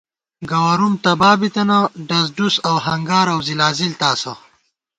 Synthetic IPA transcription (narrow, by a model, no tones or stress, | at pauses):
ɡɐwɐɾumt̪ɐbaːbit̪ɐnɐɖɐz̬ɖusɐwɦɐŋɡaːɾɐwzilaːzilt̪aːsɐ